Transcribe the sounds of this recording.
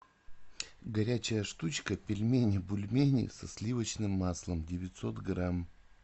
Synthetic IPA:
ɡɐɾʲæt͡ɕɪjəʂt̪ut͡ɕkəpʲɪlʲmʲenʲɪbʊlʲmʲenʲɪ̰sɐslʲivət͡ɕnɨmːaslˠəmdʲɪvʲɪtʲsot̪ɡram

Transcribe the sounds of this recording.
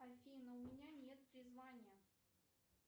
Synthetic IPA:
ɐfʲinəʊmʲɪnʲanʲet̪̚pɾʲɪzvanʲɪjə

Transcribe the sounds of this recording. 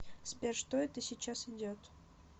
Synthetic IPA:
spʲerʂt̪oɛt̪əsʲɪt͡ɕːasɪdʲot̪

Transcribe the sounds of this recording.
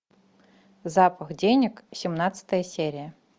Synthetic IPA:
zapəxdʲenʲɪksʲɪmnat̪sɨ̥t̪əjəsʲeɾʲɪjə

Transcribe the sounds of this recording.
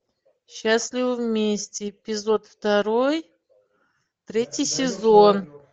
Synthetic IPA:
ɕːasʲlʲɪvəvmʲesʲtʲɪpʲɪzo̞t̪ft̪ɐɾoj | t̪ɾʲetʲɪjsʲɪzon

